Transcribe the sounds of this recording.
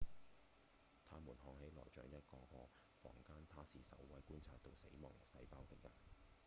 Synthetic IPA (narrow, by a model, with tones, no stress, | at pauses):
t̪ʰaː˥muː˨˩nɦɔː˧ŋɦe˨˥jlɔ̰ː˨˩jt͡ʃœ̰ː˨˧jɐ˥t̚kɔː˧kɔː˧ | fɔ̰ː˨˩ŋkaː˥nt̪ʰaː˥siː˨˩sɐ̰˨˥wwɐ˨˥jkuː˥nt͡sʰaː˧t̚t̪o˧wsḛ˨˥jmɔ̰ː˨˩ŋjɐ˨˩wsɐ˧jpaː˥wt̪ɪ˨k̚jɐ̰˨n